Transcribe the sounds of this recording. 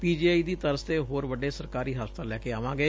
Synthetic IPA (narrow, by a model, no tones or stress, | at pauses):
piːd͡ʒiːaːiːd̪iːt̪əɾəst̪eːɦoːɾʋəɖeːsəɾkaːɾiːɦaːspət̪aːlɛːkeaːʋãːɡeː